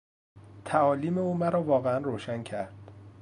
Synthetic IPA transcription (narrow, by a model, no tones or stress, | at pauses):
t̪ʰæɒːliːmeuːmæɾɒːvɒːɣeænroːʃæncʰæɾd̪̥